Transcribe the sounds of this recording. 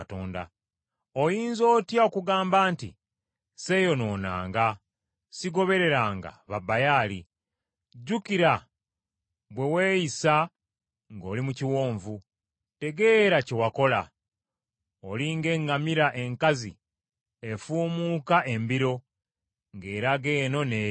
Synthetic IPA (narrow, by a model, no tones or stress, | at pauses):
toːnda̰ | o̞jiːnzo̞ːtjao̞kuɡaːmbaːntḭ | se̞jo̞no̞ːna̰ːŋɡa | siɡo̞βe̞ɾe̞ɾaːŋɡa̰βabajaːli | ɟukiɾa | βwe̞we̞ːjisa | ŋɡo̞ːlimuciwoːɱvu | te̞ɡe̞ːɾace̞wako̞la̰ | oliŋɡe̞ŋɡamiɾaʔe̞ŋkazḭ | e̞fuːmuːkaʔe̞mbiɾo̞ | ŋɡe̞ːɾaɡe̞ːno̞ne